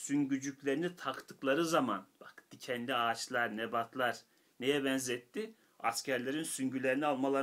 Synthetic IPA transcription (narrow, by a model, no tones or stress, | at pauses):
syɲɟyd͡ʒyclʲeɾinit̪ʰakt̪ʰɯklˠaɾɯzamanb̥akd̪icʰɛnd̪iaːt͡ʃlˠaɾnebat̪ʰlˠaɾ̥ | nejɛbɛnzɛt̪ːi | a̰scʰæɾlʲe̞ɾinsyɲɟylʲe̞ɾinialˠmalˠa